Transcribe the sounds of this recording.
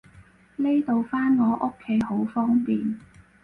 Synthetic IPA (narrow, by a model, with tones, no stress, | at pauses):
le˥jt̪o˨˧wfaː˥nŋɔː˨˧ʔo˥kʰːe˨˥jho˨˥wfɔː˥ŋpiː˨n